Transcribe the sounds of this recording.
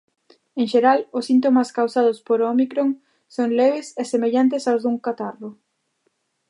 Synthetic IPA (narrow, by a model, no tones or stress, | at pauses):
eŋʃeɾalʊsint̪omaskawsað̞ʊspoɾomikɾoŋ | soŋleβɪsesemeʎant̪̬esawzðuŋkat̪aɾlʊ